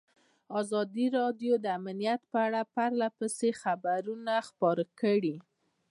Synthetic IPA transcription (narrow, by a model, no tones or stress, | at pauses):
ɑzɑd̪iɾɑdjod̪əamanijat̪pəaɽapaɾlapəsexabaɾunaxpɑɾəkəɽi